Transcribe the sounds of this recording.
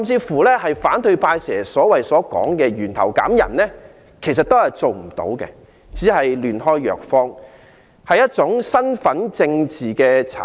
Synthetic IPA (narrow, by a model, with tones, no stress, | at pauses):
mt͡siː˧fuː˨˩lɛː˥hɐ˨jfaː˨˥nt̪ʰɵ˧ɥpʰaː˧jsɛː˨˩sɔː˨˥wɐ˨jsɔː˨˥kɔ̰ː˨˥ŋkɛː˧ɥyː˨˩nt̪ʰɐ̰˨˩wkaː˨˥mjɐ̰˨˩nlɛː˥ | kʰe˨˩jsɐ˨t̚t̪o˥whɐ˨jt͡so˨wm̩˨˩t̪o̰˨˥wkɛ̰˧ | t͡siː˨˥hɐ˨jlyː˨˩nhɔː˥jːœ̰ː˨˩k̚fɔː˥ŋ | hɐ˨jːɐ˥t̚t͡sʊ˨˥ŋsɐ˥nfɐ˨˥nt͡sɪ˧ŋt͡siː˨kɛː˧t͡sʰa̰˨